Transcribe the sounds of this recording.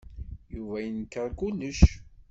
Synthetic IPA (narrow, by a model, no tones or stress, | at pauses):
juvæjənəkːəɾˤkulːəʃ